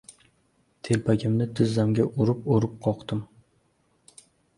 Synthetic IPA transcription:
t̪ʰe̞lpʰaɡʲɪmnɪt̪ʰɪzːamɡʲaʔoɾɪpoɾɪp̚qʰɒqt̪ɪm

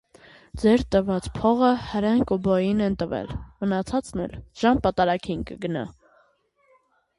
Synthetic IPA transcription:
d͡zɛɾt̪əvɑt͡spʰɔʁəhəɾɛnkubɔjinɛnt̪əvɛ̰lmənɑt͡sʰɑt͡snɛ̰lʒ̥ɑmpɑt̪ɑɾɑkʰinkə̰ɡənɑ̰

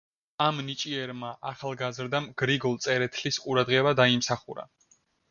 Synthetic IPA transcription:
amnit͡ʃʼiɛɾmaʔaχalˠɡazɾd̪amɡ̥ɾiɡɔlˠt̪sʼɛɾɛt̪ʰlisqʼuɾad̪ʁɛbad̪aimsaχuɾa̰

